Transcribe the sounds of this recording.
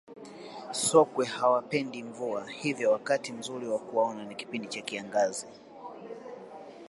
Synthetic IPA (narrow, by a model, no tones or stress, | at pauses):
sɔkwɛhawapɛndiɱvuahivjɔwakatim̩zuɾiwakuaɔnaniki̥pindit͡ʃakiaŋɡazi